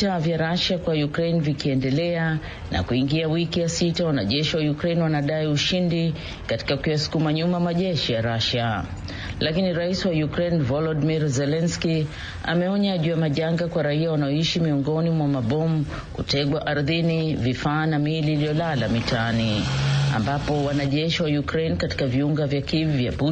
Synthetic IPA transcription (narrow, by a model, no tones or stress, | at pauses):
tavjaɾaʃakwajukɾɛjnvikiɛndɛlɛa | na̰kuiŋɡiawikijasitawana̰ʄɛʃiwajukɾɛjnwanaɗaiuʃindi | kati̥kakujasu̥kumaɲumamaʄɛʃijaɾaʃa | lakiniɾaisiwajukɾɛjnvɔlɔdmiɾzɛlɛnski | a̰mɛɔɲaʄujamaʄaŋɡakwaɾaiawanaɔiʃimiɔŋɡɔnimwamaɓɔmu | kutɛɡwaʔaɾðinivifaːnamiliːlijɔlalamitaania̰mbapɔwanaʄɛʃiwajukɾɛjnkati̥kaviuŋɡavjakivivja̰ɓu